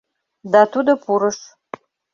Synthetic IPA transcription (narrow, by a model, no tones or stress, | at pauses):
datʰudɐpʰuɾɨʂ